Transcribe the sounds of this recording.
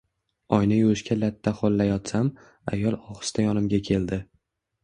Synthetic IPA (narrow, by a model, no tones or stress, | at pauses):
ɒjnajuɾɪʃkʲalat̪ʰːaχolˠːajɒt̪sam | a̰jɒlˠɒχɨ̥st̪ajɒnɪmɡʲakʲʰe̞ld̪ɪ